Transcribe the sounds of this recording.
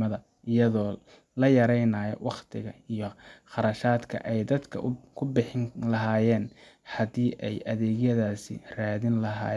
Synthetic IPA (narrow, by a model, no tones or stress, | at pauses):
ɐðɐ | ɪjɐðɔː | lɐjɐɾɛjnaːjɔ̰wʔɑqt̪ʰɪɣɐijɞχɑɾɐʃaːd̪kʰɐ̰ʔɛjd̪ɐd̪kʰɐ̰kʰʊbɪħɪŋlɐɦaːjɛːn | ħɐd̪iːʔɛjʔɐðɛːɣjɐðaːsɪ̰raːðɪnlɐɦa̰ːj